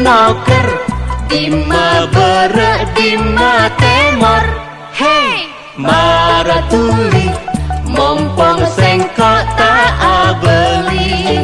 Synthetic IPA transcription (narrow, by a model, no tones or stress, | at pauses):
nɔkəndimːabəɾəʔdimːat̪emɔɾ̚ | he | maɾat̪ulimɔŋpɔŋsɛŋkɔʔt̪aʔabəli